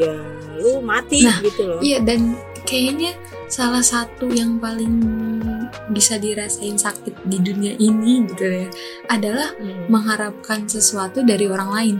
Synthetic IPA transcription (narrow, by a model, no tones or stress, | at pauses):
ja | alumat̪ɪnahɡit̪ulijadan | kajaɲa | salahsat̪ujaŋpalɪŋ | bisadiɾasaɪnsak̚t̪ɪt̪̚diduniaʔiniɡit̪uja | adalahməŋɦaɾap̚kansəsuat̪udaɾioɾaŋlaɪn